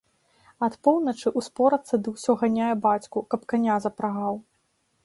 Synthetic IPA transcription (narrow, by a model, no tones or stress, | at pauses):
ɐt̪pɔwnɐt͡ʂɨʔuspɔɾɐt̪sːɐd̪ɨwsʲɔɣanʲajɛbat͡sʲkukɐpkanʲazɐpɾaɣaw